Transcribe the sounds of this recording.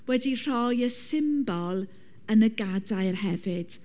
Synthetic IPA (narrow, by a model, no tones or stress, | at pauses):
wɛdir̥ɔjəsɪmbɔlˠ | ənəɡadaɨrhɛvɨd̥